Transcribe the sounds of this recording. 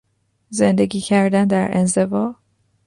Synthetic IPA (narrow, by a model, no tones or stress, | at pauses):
ze̞nd̪e̞ɡiːcʰæɾd̪ænd̪æɾḛnze̞bɒː